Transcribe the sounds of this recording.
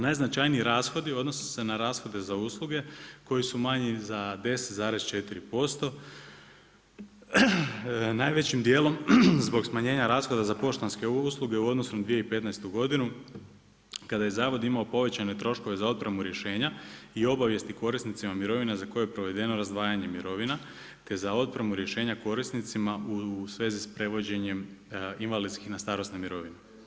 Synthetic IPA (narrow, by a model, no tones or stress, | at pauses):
najznat͡ʃajniiɾaːsxo̞d̪io̞d̪nose̥se̞naɾaːsxo̞d̪e̞zauːslˠuɡe̞ko̞jisumaɲizad̪e̞set̪zaːɾe̞z̥t͡ʃe̞t̪iɾipo̞st̪o̞ | naːjʋe̞t͡ɕimd̪je̞ːlo̞mzbo̞ɡsmaɲe̞ːɲaɾaːsxo̞d̪azapo̞ʃt̪anskeuslˠuɡe̞uo̞d̪nosund̪ʋije̞ipe̞t̪najst̪uɡo̞d̪inu | kad̪aje̞zaːʋo̞d̪imaopo̞ʋe̞t͡ɕane̞t̪ɾo̞ʃko̞ʋe̞zao̞t̪̚pɾemuɾje̞ʃe̞ːɲaio̞baʋje̞st̪iko̞ɾisnit̪simamiɾo̞ʋinazako̞jejepɾo̞ʋe̞d̪e̞no̞ɾazd̪ʋaːjaɲe̞miɾo̞ʋina | t̪e̞zao̞t̪̚pɾemuɾje̞ʃe̞ːɲako̞ɾisnit̪simaʔusʋe̞ːzispɾe̞ʋo̞d͡ʑe̞ɲe̞minʋalid̪skixnast̪aːɾo̞snemiɾo̞ʋine